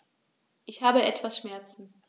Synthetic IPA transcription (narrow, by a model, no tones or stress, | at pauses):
ʔɪçhaːbəʔɛtv̥asʃmɛɐt͡sn̩